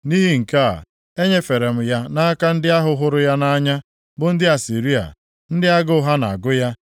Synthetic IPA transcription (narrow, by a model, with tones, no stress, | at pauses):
ni˦ɦi˨ŋ̩˨ka̰˦˨ | e˦ɲe˦fe˨ɾe˨m̩˨ja˦na˦ka˦n̩˦dɪ˦a˦ɦʊ˨ɦʊ˨˦ɾʊ˦ja˦na˦ɲa˦ | bʊ˨n̩˦dɪ˦a˨si˨ɾi˦a̰˨ | n̩˦dɪ˦a˦ɡʊ˦ɦa˦na̰˨a˨ɡʊ˦ja˦